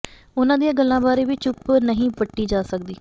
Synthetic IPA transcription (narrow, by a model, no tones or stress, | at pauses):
ʊnãːd̪ijãːɡəlːãːbaːɾeːʋiːt͡ʃʊpnəɦĩːpəʈːiːd͡ʒaːsəkd̪iː